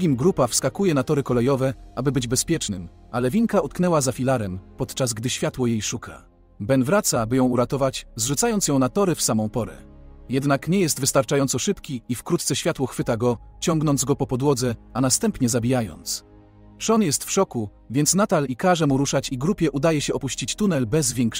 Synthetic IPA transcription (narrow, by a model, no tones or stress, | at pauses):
ɡʲimɡɾupafskakujɛnat̪ɔɾɘkɔlɛjɔvɛʔabɘbɘd͡ʑbɛspʲjɛt͡ʂnɘm | ʔalɛvʲiŋkaut̪knɛwazafʲilaɾɛmpɔt̪t͡ʂasɡd̪ɘɕfʲjat̪wɔjejʂukʰa̰ | bɛnvɾat̪sabɘjɔ̃w̃uɾat̪ɔvat͡ɕzʐut̪sajɔnsjɔ̃w̃nat̪ɔɾɘfsamɔ̃w̃pɔɾɛ̰jɛd̪nakɲɛjɛst̪vɘst̪aɾt͡ʂajɔnsɔʂɘpkʲiifkɾut̪t̪sɛɕfʲat̪wɔxfɘt̪aɡɔt͡ɕɔŋɡnɔnd̪zɡɔpɔpɔd̪wɔd̪zɛanast̪ɛmpɲɛzabʲijajɔ̰nt̪s | ʂɔnjɛst̪fʂɔku | vʲjɛnt̪snat̪alikaʐɛmuɾuʂat͡ɕiɡɾupʲjɛʔud̪ajɛɕɛɔpuɕt͡ɕit͡ɕt̪unɛlbɛzvʲjɛŋkʂ